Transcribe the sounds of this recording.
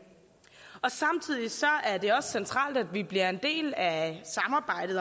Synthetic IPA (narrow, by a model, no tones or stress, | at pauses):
ɒ̽sɑ̈mt͡sʰið̞̰ˠisɒ̽æɐd̥e̝ɒ̽ssent͡sʰʁɑ̰̈ːld̥æd̥ʋib̥liɐe̝nd̥e̝̰ːlæsɑ̈mɑ̈ːb̥ɑ̈ɪ̰d̥ð̩ˠ